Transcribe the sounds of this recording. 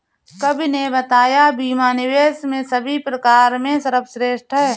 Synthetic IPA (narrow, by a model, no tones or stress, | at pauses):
kɐbʱinebət̪aːjabiːmaːnɪweːsmẽsəbʱipɾəkaːɾmẽsəɾəpʰsɾeːʃʈʰɦɛː